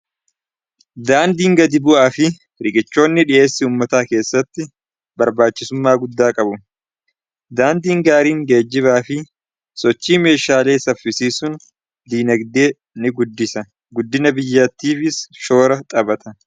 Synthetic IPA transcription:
d̪aːnd̪iːŋɡɐd̪ɪbʊʔaːfɪ | ɾɪɡʼɪt͡ʃːo̞ːnːɪᶑɪʔe̞ːsːɪuːmːɐt̪aːke̞ːsːɐt̪ːɪ | bɐɾbaːt͡ʃːɪsʊmːaːɡʊd̪ːaːkʼɐbʊ | d̪aːnd̪iːŋɡaːɾiːŋɡe̞ːd͡ʒːɪβaːfɪ | sɔt͡ʃːiːme̞ːʃaːle̞ːsɐfɪsiːsʊn | d̪iːnɐɡd̪e̞ː | nɪɡʊd̪ːɪsɐ | ɡʊd̪ːɪnɐbɪjːɐt̪ːiːfɪsʃo̞ːɾɐt̪ʼɐbɐt̪ʰɐ

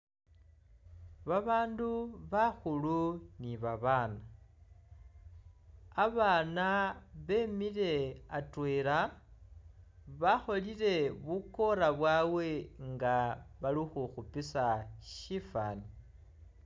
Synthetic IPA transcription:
βaβaːnduβaxuluniβaβaːna | aβaːnaβe̞mile̞atweɾa | βaxo̞liɾe̞βuko̞ɾaβwawe̞ŋɡaβalixuxupisaʃifa̰ːni

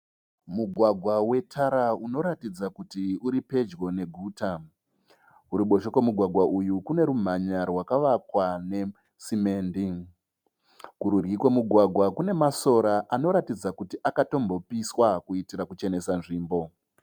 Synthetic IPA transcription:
muɡʱwaɡʱwawe̞tʰaɾauno̞ɾatid͡zakutiuɾipe̞d͡ʒɡo̞ne̞ɡʱuːta | uɾiɓo̞ʃokwemuɡʱwaɡʱwaʔujukune̞ɾum̤aɲarwakaʋakwane̞ | sime̞ːndi | kuɾurɡikwemuɡʱwaɡʱwakune̞maso̞ɾaʔano̞ɾatid͡zakutiʔakato̞mbo̞piswakuitiɾakut͡ʃe̞ne̞sanʐiːmbo̞

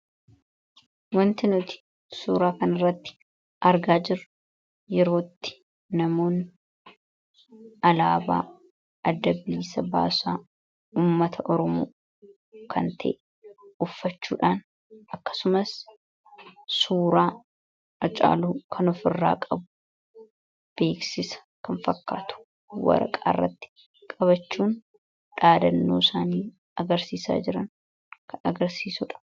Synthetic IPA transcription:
wɐnt̪ɪnʊt̪ɪ̥ | suːɾaːkɐnɐrːɐt̪ːɪ̥ | ʔɐɾɡaːd͡ʒɪɾʊ | jɛɾo̞ːt̪ːɪ̥ː | ɐmoːn | ɐlaːba̰ː | ɐd̪ːɐbiːsɐba̰ːsaː | uːmːɐt̪ʰɐʔɔɾɔmo̰ː | kʰɐnt̪ʰɐ̰ʔ | ʊfːɐt͡ʃːṵːᶑaːn | ɐkːɐ̥sʊmɐs | suːɾaː | ɐt͡ʃʼa̰ːluːkʰɐnɔfɪrːa̰ːkʼɐbʊ̥ | b̥e̞ːksɪsɐ̥ | kɐnfɐkːa̰ːt̪ʊ̥ | wɐ̰ɾɐ̰kʼaːrːɐ̰t̪ːɪ̥ | kʼɐβɐt͡ʃːuːn | ᶑaːd̪ɐnːoːsaːniː | ɐɡɐɾsiːsa̰ːd͡ʒɪɾɐn | kʰɐnɐɡɐɾsiːsʊᶑɐ̥

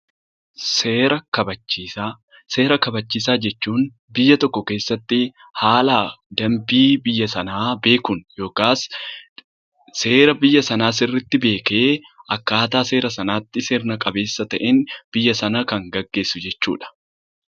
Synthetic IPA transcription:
seːɾɐkɐbɐt͡ʃːiːsa | se̞ːɾɐkɐbɐt͡ʃːiːs̬aːd͡ʒɛt͡ʃːuːn | bɪjːɐt̪ɔkːɔke̞ːsːɐt̪ːɪ | haːlaːd̪ɐmbiːbɪjːɐsɐnaːbe̞ːkʊnjo̞ːkaːs | se̞ːɾɐbɪjːɐsɐnaːs̬ɪrːɪt̪ːɪbe̞ːke̞ː | ʔɐkːaːt̪aːse̞ːɾɐsɐnaːt̪ːɪseɾnɐkʼɐbe̞ːsːɐt̪ɐʔɛnb̥ɪjːɐsɐnɐkɐŋɡɐɡːe̞ːsːʊd͡ʒɛt͡ʃːṵːᶑɐ̥

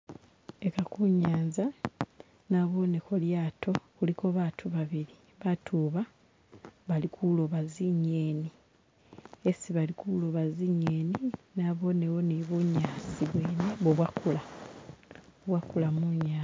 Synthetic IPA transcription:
e̞kakuɲːaːɲza | naβo̞ːnekoljaːtʰo̞kulikoβaːtʰuβaβiɾi | βatʰuːβa | βalikʰuloβaziɲːeːni | esiβalikulo̞βaziɲːeːninaːβo̞ne̞wo̞niβuɲːaːsiβweːneβoβwakula | oβwakulamuɲaː

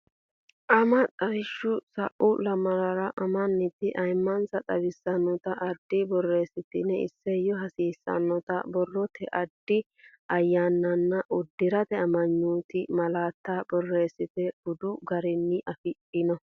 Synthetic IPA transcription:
ʔɐmɐt͡sʼɐɾɪʃːʊsɐʔʊlɐmɐɾɐɾɐʔɐmɐnːɪt̪ːɪʔɐjmːɐnsɐt̪ʼɐbɪsːɐnːɔt̪ɐʔɐd̪ːɪbɔrːe̞ːsɪt̪ɪnɛɪ̰sːɛjɔɦɐsiːsːɐ̰nːɔt̪ɐbɔrːɔt̪ʰɛʔɐd̪ːɪ | ɐjːaːnːɐnːɐʔʊd̪ːɪɾɐt̪ɛɐmɐɲːuːt̪ɪmɐlaːt̪ːabɔrːe̞ːsːɪt̪ɛɡʊd̪ʊɡɐɾɪnːɪʔɐfɪᶑɪnɔ

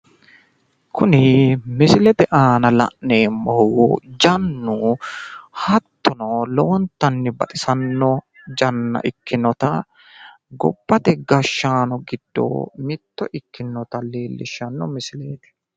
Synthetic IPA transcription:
kʰʊnɪmɪsɪlɛt̪ɛʔaːnɐlɐ̰ʔneːmːɔhwɔd͡ʒɐnːu | hɐt̪ːɔnɔlɔwɔnt̪ːɐnːɪbɐt̪ʼɪsɐnːɔ | d͡ʒɐnːɐ̰ʔɪkːɪnɔt̪ɐ | ɡɔ̰bːɐt̪ɛɡɐʃːaːnɔɡɪd̪̥ːo̰ːmɪt̪ːɔʔɪkːɪnːɔt̪ɐleːlːɪʃːɐnːɔmɪsɪleːt̪ɛ̥

